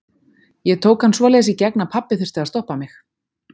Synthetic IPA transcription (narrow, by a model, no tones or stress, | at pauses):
jɛɣt̪ʰoːwkhansvɔːlɛːɣsicɛknapʰapːɪθʏɾ̥t̪ɪðast̪ɔhpamɪx